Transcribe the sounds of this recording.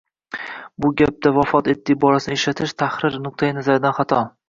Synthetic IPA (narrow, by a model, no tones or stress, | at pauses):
bʊɡʲap̚d̪avafɒt̪e̞t̪ːɪbɒlasɪnɪeʃlat̪ʰɪʃt̪ʰahɾɪɾnʊq̚t̪ʰajɪnazaɾɪd̪anχat̪ʰɒ